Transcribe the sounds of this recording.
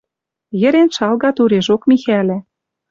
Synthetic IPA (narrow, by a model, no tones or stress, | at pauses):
jɘ̆ɾenʃɑlɣɑt̪uɾeʒokmixælʲæ̆